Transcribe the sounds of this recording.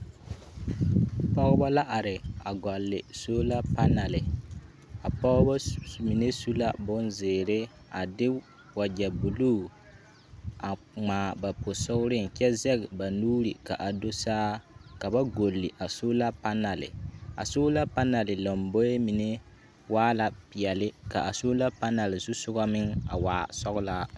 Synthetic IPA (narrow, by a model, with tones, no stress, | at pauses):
pɔ˦ɣba˦la˦ʔa˨ɾɪ˨a˨ɡɔ˨lːɪ˨soː˦la˦pa˦na˨lɪ˨ | a˨pɔ˦ɣba˦mi˨ne˦su˦la˦bʊ˦nzeː˨ɾe˦ | a˨dɪ˦ | wa˨d͡ʒɛ˨bu˨luː˦˨ | a˨ | ŋ͡maː˨ba˨po˨sʊ˦ɡʊ˦ɾɪ˦ŋ̩˨kɛ˦zɛ˦ɡba˨nuː˦ɾi˨ka˨ʔa˨do˦saː˦ka˨ba˦ɡo˨lːi˨ʔa˨so˦la˦pa˦na˨lɪ̰˨a̰˨so˦la˦pa˦na˨lɪ˨lo˨mbo˦je˦mi˨ne˦ | waː˦la˦pi˨jɛ˨lɪ˦ka˨ʔa˨soː˦la˦pa˦na˨lɪ˨zu˦sʊ˦ɡɔ˦mɪ˦ŋa̰˨waː˨sɔ˦ɣʊ˦la˦